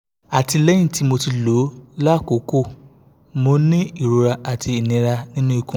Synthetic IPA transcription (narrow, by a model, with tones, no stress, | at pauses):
a˨ti˧lɛ̃˨˦ĩ˦˨ti˨˦mo˧ti˧lo˨˦la˦˨ko˨˦ko˦˨ | mo˧nĩ˦i˦˨ɾo˨˧ɾa˧a˨ti˧i˨nĩ˨˦ɾa˧nĩ˦nũ˦i˦˧kũ˨